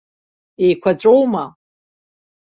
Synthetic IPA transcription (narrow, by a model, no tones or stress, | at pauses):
ejkʷʰat͡ʃʷʼowma